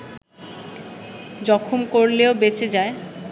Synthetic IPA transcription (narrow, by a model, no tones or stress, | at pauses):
d͡ʑɔkʰumkoɾleobet͡ɕed͡ʑae